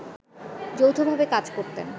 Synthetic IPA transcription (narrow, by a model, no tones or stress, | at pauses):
d͡ʑowt̪ʰobʱabekad͡ʑkoɾt̪ḛn